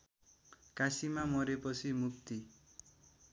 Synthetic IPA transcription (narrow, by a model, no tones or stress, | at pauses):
kasimamʌɾepʌt͡sʰimukt̪i